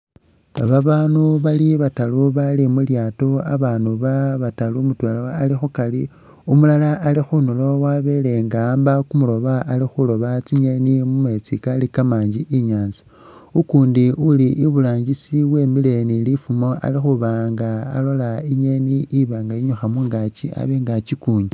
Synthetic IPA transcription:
aβaβaːnuβaliβataluβalimuljaːtoa̰βaːnuβaβatalumutwelawalixukali | umulalaːlixunolo̞waβe̞leŋɡambakumulo̞βaʔːlixulo̞βat͡siɲe̞nimume̞t͡sikalikamaːɲd͡ʒiʔiɲaːnzi̥ | ukuːndiuliʔiβulaːɲɟisiβwe̞ːmile̞nilifumo̞ʔa̰lixuβaːŋɡaːlo̞laiɲe̞niːβaːŋɡaiɲuxamuŋɡat͡ʃia̰βeŋɡat͡ʃikuːɲi

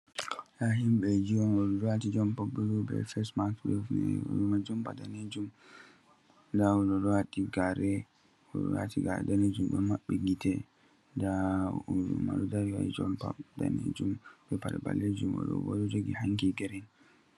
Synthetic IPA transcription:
jaɦimɓɛd͡ʒiwɔnwɔdɔɾɔwatid͡ʒɔmpabulubɛ̰fɛsmaklifnɛ̰jumad͡ʒumpadaned͡ʒum | dawɔdɔɾwatiɡaɾɛ | wɔwa̰tiɡadaned͡ʒumbɛmaɓːɛɡitɛ | da | uma̰dudauwa̰id͡ʒɔ̰mpa̰da̰nḛd͡ʒumbɛpadɛba̰lːed͡ʒumwɔ̰ɗɔ̰wɔ̰dɔd͡ʒoɡihaŋkiɡɛɾɛn

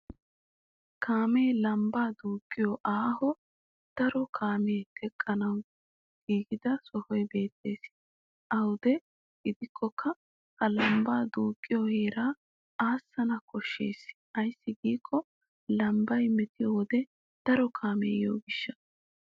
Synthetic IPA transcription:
kʰaːmejlɐmbaːd̪uːkʼːɪjoʔaːhɔ | d̪̥ɐɾɔkʰaːmeːt̪ɛkʼːɐnɐw | ɡ̥iːɡɪd̪ɐsɔhɔjbe̞ːt̪ːe̞ːs | ʔɐwd̪ɛ | ɡɪd̪ɪkʰːɔkʰːɐ | hɐlɐmbaːd̪uːkʼːɪjoheːɾaː | aːsːɐnɐkʰɔʃːḛːs | ɐjsːɪɡiːkʰːɔ | lɐmbɐjmɛt̪ɪjowɔd̪ɛ | d̪̥ɐɾɔkʰaːmḛːjo̰ːɡɪʃːɐ̥

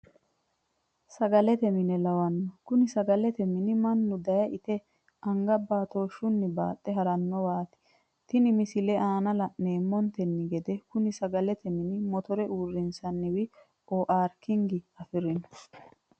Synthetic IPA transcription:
sɐɡɐlɛt̪ɛmɪnɛlɐwɐnːɔkʊnɪsɐɡɐlɛt̪ɛmɪnɪmɐnːʊd̪ɐjɐʔɪt̪ɛ | ʔɐŋɡɐbaːt̪oːʃʊnːɪba̰ːt̪ʼːɛɦɐɾɐnːɔwaːt̪ɪ̥ | t̪ɪnɪmɪsɪlɛʔaːnɐlɐneːmːɔnt̪ɛnːɪɡɛd̪ɛkʊnɪsɐɡɐlɛt̪ɛmɪnɪmɔt̪ɔɾɛʔuːrːɪnsɐnːɪwɪ | oːʔaːɾkɪŋɡɪɐfɪɾɪnɔ

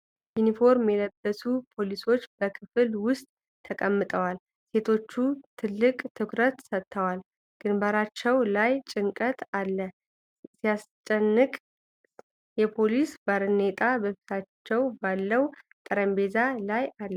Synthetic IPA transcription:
junifo̞ɾmjɛləbːəsupʰo̞liso̞t͡ʃːbəkʰɨfɨlwʊst̪ʼ | t̪ʰːəkʼəmːɨt̪ʼəwal | se̞t̪ʰo̞t͡ʃːut̪ʰɨlːɨkʼt̪ʰɨkʰɾət̪sət̪ʰːəwal | ɡ̥ɨnbaɾat͡ʃːɛwlajt͡ʃʼɨŋkʼət̪alːə | sijast͡ʃʼːɛnːɨkʼ | jɛpʰo̞lisbaɾɨnet̪ʼabəfi̥t̪ʰat͡ʃːɛwbalːəwt̪ʼəɾəmbe̞zalajalː

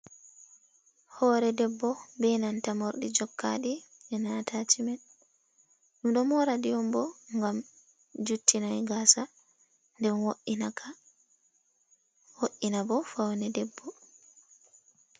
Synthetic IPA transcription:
hɔːɾɛdɛbːɔbɛjnantamoɾɗid͡ʒɔkʰːa̰ɗiʔɛnatʰat͡ʃimɛn | ɗumɗɔmɔɾadijɔmbɔŋɡam | d͡ʒutʰːinajɡaːsa | ndɛnwa | woʔːinabɔfawnɛdɛbːɔ

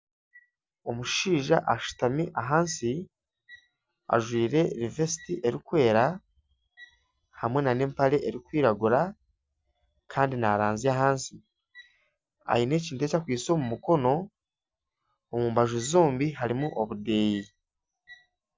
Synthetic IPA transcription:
o̞muʃiːʒaʔaʃu̥tamiʔaɦaːnsi | a̰ʒwiːɾe̞ɾive̞si̥tiʔe̞ɾikwe̞ːɾa | hamwe̞nane̞ːmpaɾe̞ʔeɾikwiːɾaɡuɾa | kʰaːndinaɾaːnziaɦaːnsi | a̰jine̞ːciːntuecakwiːso̞ːmumuko̞no̞ | muːmbaʒuzoːmbiɦaɾimuʔoβude̞ːji

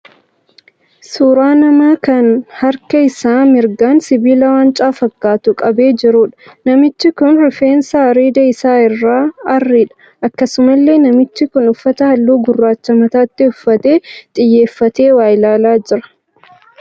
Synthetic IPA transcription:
suːɾaːnɐmaːkɐnhɐɾkɐɪsaːmɪɾɡaːnsɪbiːlɐwaːnt͡ʃʼaːfɐkːaːt̪ʊkʼɐbe̞ːd͡ʒɪɾuːᶑɐ̥nɐmɪt͡ʃːɪkʊnɾɪfeːnsaːɐɾiːd̪ɐɪsaːɪrːaːɐrːiᶑɐ̥ | ʔɐkːɐsʊmɐlːe̞ːnɐmɪt͡ʃːɪkʊnʊfːɐt̪ɐhɐlːuːɡʊrːaːt͡ʃːɐmɐt̪aːɪt̪ːɪʊfːɐt̪e̞ːt̪ʼɪjːe̞ːfːɐt̪e̞ːwaːjlaːlaːd͡ʒɪɾɐ̥

